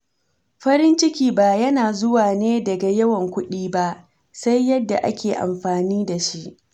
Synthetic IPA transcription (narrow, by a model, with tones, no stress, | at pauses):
ɸɐ˦ɾɪ˦nt͡ʃɪ˦kʲiː˨ba˨jɐ˦naː˨zʊ˦waː˨neː˦dɐ˨ɡa˨jɐ˦wɐ˨ŋkʷʊ˦ɗiː˦ba˦ʔ | sa˦jːɐ˦dːa̰˨ʔa̰˦kʲeː˨ʔa̰˨mɸaː˨niː˦da˨ʃi˦ʔ